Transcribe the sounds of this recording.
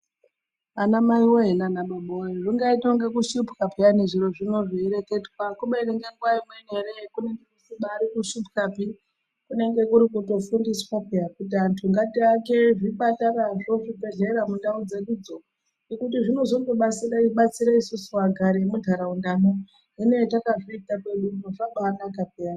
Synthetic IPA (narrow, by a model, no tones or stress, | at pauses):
anamaiwoɦenanaɓaɓoeʐiŋɡaitoŋɡekuʃupkapianeʐiro̞ʐino̞ʐiiɾekedwakuɓeɾeŋɡeŋɡwaimwene̞ɾekune̞ŋɡe̞kusiɓaːɾikuʃupkapi | kune̞ŋɡe̞kuɾikuto̞fundiswopejakutiantʰuŋɡatiake̞ʐiɓataɾaʐo̞ʐibe̞ɮeɾamundaud͡ze̞ɗud͡zo | ikutiʐino̞zo̞ŋɡo̞ɓat͡siɾaɓat͡siɾaisusuwaɡʱaɾemudʱaɾaundano | ɦine̞takaʐoitake̞ɗunoʐaɓanakapeani